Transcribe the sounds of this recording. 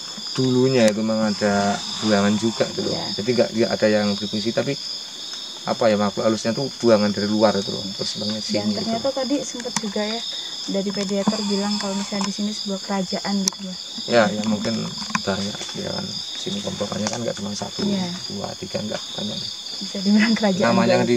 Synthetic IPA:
d̥uluɲait̪uemaŋadadulaŋand͡ʒuɡaɡut̪ṵd͡ʒadiŋɡa̰ʔɡaʔa̰dajaŋpɾifuns̬it̪api | ʔa̰pajamakualusɲat̪uduaŋandaɾiluarɡit̪ṵlʊ̰t̪ɾʊsbaŋɲadisiaŋiərɲat̪at̪adisəmpət̪̚d͡ʒuɡaja | daɾipedeat̪ərbilaŋkalomisalɲadisinisəbuahkəɾad͡ʒaʔanɡit̪ua | jajaŋmuŋkɪnb̥aɲa̰kdia̰ka̰n | isinikɔmpɔɾa̰ɲakanɡa̰ʔtumansa̰t̪uit̪ua̰t̪iɡaŋɡa̰ʔpanan | bisadimilaŋkəɾad͡ʒaamaɲakadi

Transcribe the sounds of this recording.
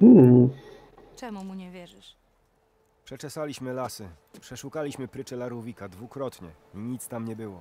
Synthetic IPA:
m̩ | t͡ʂɛmumuɲɛvʲjɛʐɨʂ | pʂɛt͡ʂɛsalʲiɕmɘlasɘ | pʂɛʂukalʲiɕmɘpɾɘt͡ʂɛlaɾuvʲikad̪vukɾɔt̪ɲɛiɲit̪st̪amɲɛbɘwɔ

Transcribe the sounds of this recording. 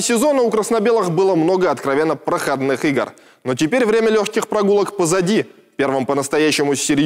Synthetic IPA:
sʲɪzo̞nəukɾəsnɐbʲe̞lˠəxbɨlˠəmno̞ɡəɐt̪kɾɐvʲe̞nːəpɾəxɐd̪nɨxɨɡə̰r | no̞tʲɪpʲeɾʲvɾʲemʲəlʲoxʲkʲɪxpɾɐɡulˠəkpəzɐdʲi | pʲe̞rvəmpənəst̪ɐjæɕːɪmʊsʲɪɾʲɪ

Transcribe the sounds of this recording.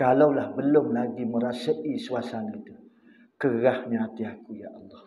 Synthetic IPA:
kalawlahbəlʊmlaɡiməɾasəʔisuasanat̪u | kəɣahɲaɦat̪iakuja̰ʔɑlːɑh

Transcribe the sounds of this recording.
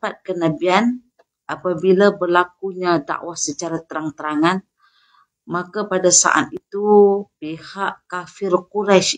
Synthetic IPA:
pat̪̚kənabian | ʔapabilabərlak̚uɲada̰ʔwahsət͡ʃaɾat̪əɾaŋt̪əɾaŋan | mãkapadasa̰ʔa̰t̪̚it̪upihaʔkafɪrkuɾaʃ

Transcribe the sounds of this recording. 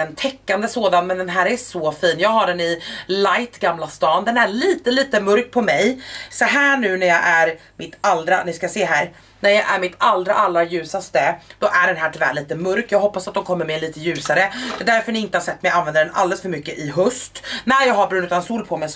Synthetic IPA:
ɛnt̪ʰɛkːand̪əsoːd̪anmɛnd̪ɛnɦæːɾæsɔfiːnjɑːɡɦaɖɛnɪlajt̪ɡamlast̪ɑːnd̪ɛnæɾɭiːt̪əliːt̪əmɵɾk̚pʰɔmɛjsɔɦæːɳʉ̟ːnæɾjɑ̰ɡʔæɾmɪt̪ald̪ɾanɪskaseːɦæːɾ | næjɑːɡʔæɾmɪt̪ald̪ɾa̰ʔalːɾajʉ̟ːsast̪əd̪̥ɔʔæɖɛnɦæːʈʰʏvæ̰ːɭiːt̪əmɵɾkjɑːɡɦɔpːasat̪̚d̪ɔmkʰɔmːəɾmɛjliːt̪əjʉ̟ːsaɾəd̪ɛd̪æɾfœɳɪɪnt̪əhaɾʂsɛt̪ːmɛjʔanvɛnd̪əɖɛnʔa̰ld̪ɛlsfœɾmʏkːəʔɪɦɵst̪næɾjɑːɡɦaɾbɾʉnʉːt̪ansuːlpʰɔmɛjs

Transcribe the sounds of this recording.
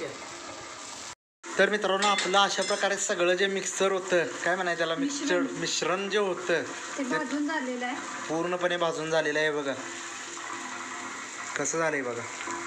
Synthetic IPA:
t̪əɾmiːt̪ɾaʋnaːplaːɕapɾəkaɾesəɡɭəːd͡zemiksəɾɦot̪əːkajm̤əɳajet̪̬jalamikəɾmiɕɾənd͡zeɦot̪əː | t̪ebed͡zuːnd͡zʱalel | puːɾɳəpənebʱad͡zuːnd͡zʱaleləjebʱəɡa | kəsəːd͡zʱaləebəɡa

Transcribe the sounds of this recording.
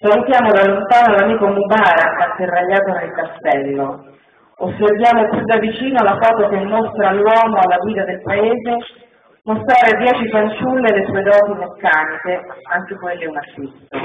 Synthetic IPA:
salut̪jaːmod̪alːont̪aːnoalamiːkomubaːɾakat̪erːaʎːaːt̪onelkast̪ɛlːo | osːervjaːmopjud̪ːavit͡ʃiːnolafɔːt̪ok̟emːost̪ɾalːwɔːmoalaɡwiːd̪ad̪elpaeːze | most̪ɾaːɾed̪jɛːt͡ʃifant͡ʃulːelesuːed̪ɔːzimekːaːnik̟eaŋk̟ekwelːeunat̪ːist̪o

